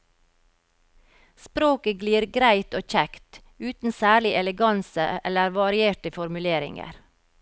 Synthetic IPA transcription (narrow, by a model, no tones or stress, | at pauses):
spɾoːkəɡliːɾɡɾæɪt̪oːc͡çɛkt̪ | ʉːt̪n̩sæːɭɪʔɛləɡɑnsəɛ̰ləɾʋɑɾɪeːʈəfɔɾmʉleːɾɪ̰ŋə̰ɾ